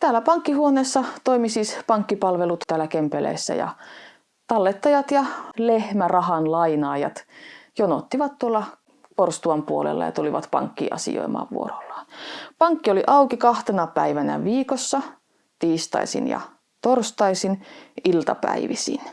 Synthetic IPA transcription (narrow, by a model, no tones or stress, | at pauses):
t̪æːlːæpɑŋkːihuoneːsːɑt̪oimisiːspɑŋkːipɑlʋelut̪t̪æːlækempelḛːsːæ̰jɑ̰ | t̪ɑlːet̪ːɑjɑt̪jɑlehmærɑhɑnlɑinɑːjɑ̰t̪jono̰t̪ːiʋɑt̪t̪uolːɑ | korst̪uɑmpuolḛlːɑ̰jɑ̰t̪uliʋɑ̰t̪pɑ̰ŋkːḭʔɑ̰sḭjo̰imɑ̰ːʋʋṵorolːɑ̥pɑŋkːioliʔɑukikɑht̪enɑpæiʋænæ̰ʋiːkosːɑ | t̪iːst̪ɑ̰isḭnjɑ̰ | t̪orst̪ɑisinilt̪ɑpæ̰iʋisḭn